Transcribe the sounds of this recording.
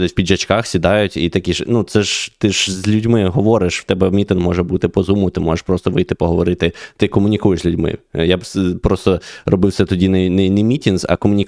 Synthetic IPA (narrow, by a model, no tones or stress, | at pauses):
ɛsʲpʲid̪ʒɐt͡ʃkɑxsʲid̪ɑjʊtʲit̪ɐkʲiʃnut̪sɛʒt̪ɪʒzʲlʲudʲmɪɦɔʋɔɾɪʃw̥t̪ɛbɛmʲit̪ɪnmɔʒɛbut̪ɪpɔzumʊt̪ɪmɔʒeʂpɾɔst̪ɔʋɪjt̪ɪpɔɦɔʋɔɾɪt̪ɪt̪ɪkɔmʊnʲikujeʃzʲlʲʉdʲmɪ̰japɾɔst̪ɔrɔbɪwsɛt̪ɔdʲinɛnɛnɛmʲitʲinzɐ̰kɔmʊnʲi